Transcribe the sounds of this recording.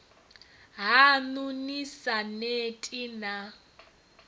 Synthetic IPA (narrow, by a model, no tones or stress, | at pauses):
ɦanunisanetʼina